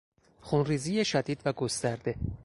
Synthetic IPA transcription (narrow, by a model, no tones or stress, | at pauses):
xunriːzijeʃæd̪iːd̪væɡo̞st̪æɾd̪e̞